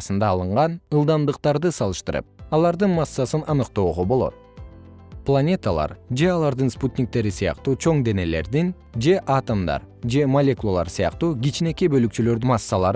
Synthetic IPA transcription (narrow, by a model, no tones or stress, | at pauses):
sɯnd̪ɑːlˠɯɴʁɑnɯlˠd̪ɑnd̪ɯq̚t̪ɑɾd̪ɯsɑlˠɯʃt̪ɯɾɯ̰p̚ɑlˠɑɾd̪ɯnmɑsːɑsɯnɑnɯqt̪o̞ːʁobo̞lˠo̞̰t̪̚ | plˠanʲe̞t̪alˠɑ̰ɾd͡ʒe̞ɑlˠɑɾd̪ɯnsput̪ʲnʲik̚t̪e̞ɾisɯjɑ̰qt̪uːt͡ʃʰo̞ɴd̪e̞ne̞le̞̰ɾd̪in | d͡ʒe̞ʔaɑt̪omd̪ɑ̰ɾd͡ʒe̞mɐlʲe̞kulˠolˠɑ̰ɾsɯjɑ̰qt̪uːɡʲit͡ʃne̞kibø̞lykt͡ʃylø̞ɾd̪ymasːɑlˠɑɾ